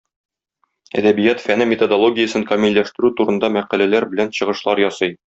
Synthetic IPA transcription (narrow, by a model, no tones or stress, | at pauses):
æ̰d̪æbijæt̪fænɘmʲet̪od̪olˠoɡʲɪjəsɤŋkɐmilʲːæʃt̪ɘ̆ɾʉt̪uɾɤ̆nd̪ɑmæqælælæɾbɘ̆lænɕɤ̆ʁɤ̆ʃlˠɑɾjɒsɤj